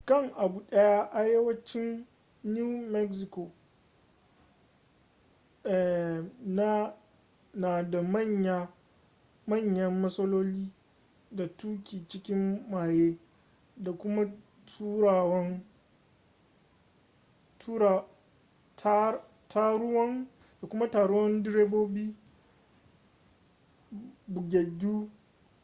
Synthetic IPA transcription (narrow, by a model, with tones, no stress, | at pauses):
kɐ˦ŋʔa˨buː˨ɗɐ˦ja˦ʔa˨jɐ˦wɐ˦t͡ʃɪ˦nː | ju˦mɛ˦ksɪ˨ko˨ | ɛ˨na˦ | naː˨da˨mɐ˦ɲa˦ | mɐ˦˨ɲjɐ˦mːɐ˦sɐ˦loː˦liː˦ | da˨tuː˦kʲiː˨t͡ʃɪ˦kʲɪ˦mːaː˨jeː˦ | da˨kʷʊ˦ma˦ | tʰuː˦ɾaː˨wɐ˦ŋ | tʰuː˦ɾa˨ | ta˦ | tʰa˦ɾʊ˦wɐ˦ŋ | d̥a˨kʷʊ˦ma˦taː˨ɽʊ˦wɐ˦ndɪ˦ɾeː˦boː˦biː˦ | bʊ˨ɡʲe˨ɡʲuː˦